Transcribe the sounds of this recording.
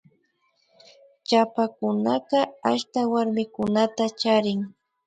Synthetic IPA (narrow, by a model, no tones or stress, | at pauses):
t͡ʃapakʊnaqɑaʃt̪awaɾmɪkʊnat̪at͡ʃaɾɪŋ